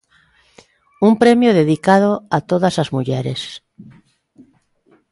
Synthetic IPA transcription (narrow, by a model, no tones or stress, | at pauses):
umpɾemjoðeðikað̞oat̪oðasazmuʎeɾes